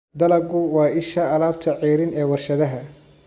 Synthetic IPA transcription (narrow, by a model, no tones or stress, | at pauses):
d̪ɐlɐɡʊwɑːʔɪʃɐɐlaːb̚t̪ʰɐʕiːɾɪnɛːwɐrʃɐðɐɦɐ